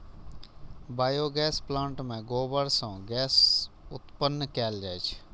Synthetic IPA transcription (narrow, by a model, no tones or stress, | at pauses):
baːjoːɡɛːsplãːɳʈmẽːɡoːbəɾsãːɡɛːsʊt̪pənːəkaːld͡ʒaːjt͡ʃʰ